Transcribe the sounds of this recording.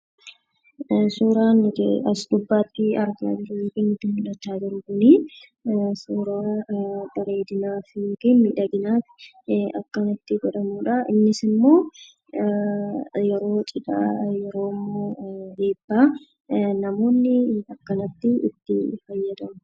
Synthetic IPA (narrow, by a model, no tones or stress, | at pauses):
suːɾaːn̰ɐsd̪ʊbːaːt̪ːɪɐɾɡa̰d͡ʒɪɾik̪ɪnɪt̪ːɪmʊᶑɐt͡ʃ̪ːaːd͡ʒɪɾʊɡʊniː | suːɾaːbɐɾe̞ːd̪ɪnaːfɪŋɡɛmːɪᶑɐɡɪnaːtɪ̥ | ɐkːɐnɐt̪ːɪɡɔᶑɐmuːᶑɐɪ̰nːɪsɪmːo̞ː | jɛɾo̞ːt͡ʃʼɪᶑa̰jɛɾo̞ːɪmːo̞ːdeːbːaː | nɐmo̞ːnːɪɐkːɐnɐt̪ːɪɪ̰t̪ːɪfɐjːɐd̪ɐmʊ